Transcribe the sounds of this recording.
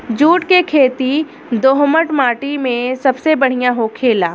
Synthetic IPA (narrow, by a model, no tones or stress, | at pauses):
d͡ʒuːʈkekʰeːt̪i | d̪oːɦməʈmaːʈimẽsɐbsebɐɽ̤ijãɦokʰeːlaː